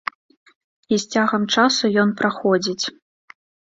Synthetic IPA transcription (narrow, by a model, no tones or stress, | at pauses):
isʲt͡sʲaɣɐmt͡ʂasujɔnpɾaxɔd͡zʲit͡sʲ